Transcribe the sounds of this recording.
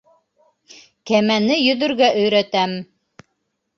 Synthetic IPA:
kæmænɘjɵ̆ðɵ̆ɾɡæʔɵ̆jɾæt̪æm

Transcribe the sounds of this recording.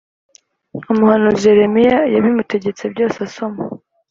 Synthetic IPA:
umuhanuʒe̞ɾe̞mijajaβimute̞ɟe̞t͡se̞b̚ɟo̞ːsasoma

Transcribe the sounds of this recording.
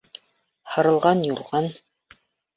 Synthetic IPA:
hɤ̆ɾɤ̆lˠʁɑnjuɾʁɑn

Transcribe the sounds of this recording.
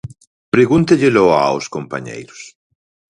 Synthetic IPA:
pɾeɣunt̪eʎeloa̰wskompaɲḛjɾʊs

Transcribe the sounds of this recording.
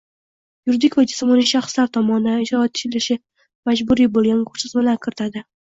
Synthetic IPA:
jʊɾd̪ɪkʲvad͡ʒɪsmɒnɪʃaχslaɾt̪ʰɒmɒnd̪anɪʃɒt̪ʰːɪ̥t͡ʃɪlɪʃɪ | mad͡ʒbʊɾibolˠɡʲankʰoɾt͡ʃ̪ɪzbɪlakʲʰɪɾɪt̪ʰad̪ɪ

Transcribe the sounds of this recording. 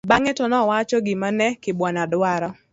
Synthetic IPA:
baŋɛtɔnɔwat͡ʃɔɡɪmanɛkɪbwɔnadwaɾɔ

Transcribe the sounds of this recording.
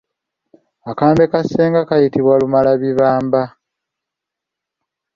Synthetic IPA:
akaːmbe̞kaseːŋɡakajitiβwalumalaβiβaːmba

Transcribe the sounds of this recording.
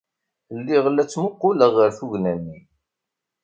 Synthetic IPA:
əlːiʁəlːæt͡sːmʊqːʊləʁəɾθuʝnænːi

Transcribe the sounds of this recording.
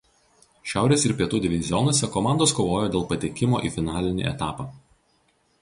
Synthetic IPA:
ʃʲæˑʊɾʲeːsɪɾpʲiɛt̪uːd̪ʲɪʋʲɪzʲɪjɔnuɔsʲɛkɔmɑˑnd̪oːskoːʋoːjoːd̪ʲeːlˠpɐt̪ʲekʲɪmo̰ːʔḭːfʲɪnɑːlʲɪnʲḭːɛ̰t̪ɑːpɑː

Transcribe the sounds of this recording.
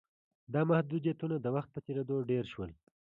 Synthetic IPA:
d̪ɑmahd̪ud̪jat̪unad̪əwaxt̪̚pət͡ʃeɾed̪oɖeɾʃwəl

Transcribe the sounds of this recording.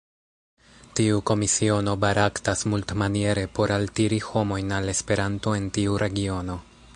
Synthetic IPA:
tiuko̞misio̞no̞baɾaktasmultmanie̞ɾe̞po̞ɾaltiɾiho̞mo̞jnale̞spe̞ɾanto̞e̞ntiuɾe̞ɡio̞no̞

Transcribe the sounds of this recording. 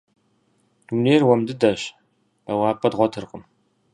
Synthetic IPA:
d̥umneːrwɐmdɨdɐɕ | b̥ɐwaːpʼɐdʁʷɔtʰɨrqʼəm

